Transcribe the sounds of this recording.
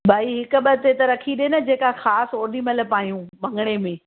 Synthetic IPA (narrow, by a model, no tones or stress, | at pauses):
bʱaːiɦɪkʊ̆ɓɐt̪et̪ɐɾɐkʰiɗeːnɐd͡ʑeːkaxaːsoːɾnimɐləpaːjũmɐ̃ŋɡɽ̃emẽː